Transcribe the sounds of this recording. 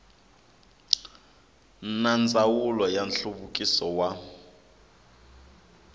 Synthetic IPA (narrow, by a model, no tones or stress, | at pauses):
nand͡zʱawulɔjanɬuβukʼisɔwa